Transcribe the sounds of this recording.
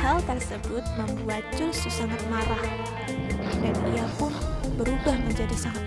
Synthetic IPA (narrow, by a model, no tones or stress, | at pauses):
hawt̪ərsəbʊt̪̚məmbuat̪̚d͡ʒususaŋat̪̚maɾah | bɛniapʊnbəɾubahməɲd͡ʒadisaŋa